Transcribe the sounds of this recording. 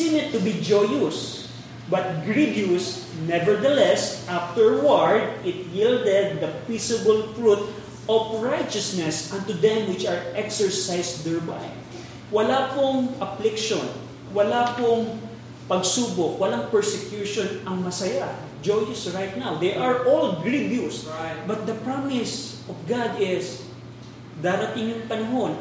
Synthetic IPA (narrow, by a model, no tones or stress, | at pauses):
ĩnɪt̪ːʊbid͡ʒojʊs | bɐt̪̚ɡɹidjus | nɛvɛɹd̪ɐlɛsʔaft̪ɛɹwaɹd̪̚ɪt̪̚jild̪ɛd̪̚ːɐpisɪbɐlfɹut̪̚ | ʔɔfɹajt͡ʃɐsnɛsʔɐ̃nt̪ʊd̪ɛ̃mwɪt͡ʃɐɹʔɛksɛɹsajsd̪ɛɹba̰j | wɐlapoŋʔɐflɪkʃon | wɐlapoŋ | pɐɡsuːbok̚wɐlaŋpɛɹsɛkjuʃonɐŋmɐsɐja | d͡ʒojɪsɹajt̪̚nawd̪ɛjʔɐɹʔolɡɹibjusbɐt̪̚d̪ɐpɹamɪs | ɔfɡad̪ɪs | d̪aːɾɐt̪ɪŋjʊŋpɐnɐɦon